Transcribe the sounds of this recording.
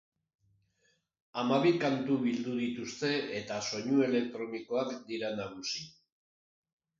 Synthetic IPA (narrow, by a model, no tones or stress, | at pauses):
amaβikant̪uβild̪uðit̪ust̪e̞et̪aso̞ɲue̞le̞k̚t̪ɾo̞niko̞akd̪iɾanaɣusi